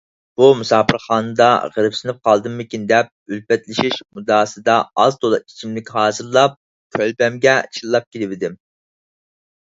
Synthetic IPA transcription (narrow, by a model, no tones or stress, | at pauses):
b̥umusɑːpʰɨɾχɑːnɨd̪ɑʁəɾɨpsɨnɨp̚qʰɑlˠd̪ɨmːɪkʲind̪ɛp̚ylpɛt̪lɪʃiʃmud̪ɑːsɨd̪ɑɑzt̪olˠɨi̥t͡ʃʰimlɪkʲhɑːzɨɾlˠɑp̚ | kʲʰølbɛmɡʲɛt͡ʃʰilːˠɑp̚kʲʰilɪvɪd̪ɪm